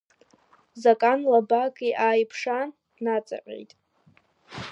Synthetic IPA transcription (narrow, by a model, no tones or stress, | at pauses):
zakʼanlabakʼiʔaːjpʰʂan | nat͡sʼa̰ʕʲʼḛjtʼ